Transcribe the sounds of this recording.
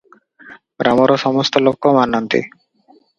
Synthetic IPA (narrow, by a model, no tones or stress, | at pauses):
ɡɾamoɾoʃɔmɔst̪olokʰːomanːant̪ḭ